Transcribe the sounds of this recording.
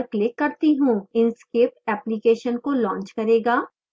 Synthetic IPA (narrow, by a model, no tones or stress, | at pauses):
ɾklɪkːɐɾt̪iɦũːɪnskɪpɛːplikeːʃənkolɔ̃ːɲt͡ʃkɐɾeːɡaː